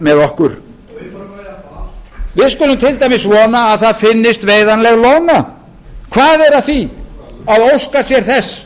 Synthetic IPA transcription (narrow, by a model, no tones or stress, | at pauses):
mɛðɔhkʏɾ̥ | vɪðskʏlʏmt̪ʰɪlt̪ajmɪsvɔːnaːðθaðfɪnːɪst̪veːjðanlɛɣlɔwna | kʰvaːðɛɾaðθi | aðowskasjɛɾ̥θɛsː